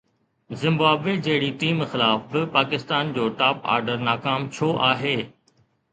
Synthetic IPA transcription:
zɪ̃mbaːbʋed͡ʑeɦɪɽiʈiːmxɪlaːfbɪpaːkɪst̪aːnd͡ʑoːʈaːpa̰ːɾɖəɾnaːkaːmt͡ɕʰoʔaːɦeː

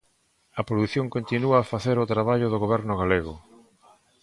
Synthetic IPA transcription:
ɐpɾoðuθjõŋkont̪inuaːfaθeɾʊt̪ɾaβ̞aʎʊðoɣoβ̞ɛɾnʊɣ̞aleɣʊ

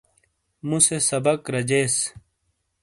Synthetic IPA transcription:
musesɐbɐkɾɐd͡ʑeːs

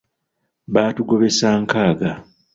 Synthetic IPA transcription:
βaːtuɡo̞βe̞saːŋkaːɡa

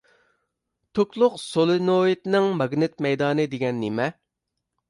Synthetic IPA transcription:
t̪ʰoklˠʊqsolˠɨnoit̪nɪŋmɑɡnɪt̪̚mɛjd̪ɑːnɨd̪eɡʲɛnːemɛ

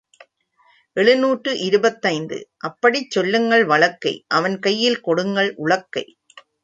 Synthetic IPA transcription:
ʔɛɭɯnuːʈrɯʔɪɾɯbɐt̪ːɐɪnd̪ɯ̰ʔɐpːɐɽit͡ʃːɔlːɯŋɡɐɭʋɐɭɐkːɐɪʔɐʋɐnkɐjːɪlkɔɽɯŋɡɐɭʔʊɭɐkːɐɪ

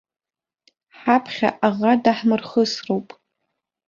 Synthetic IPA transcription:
ħapʰχʲa̰ʔaʁadaħmɨrχəsrowpʼ

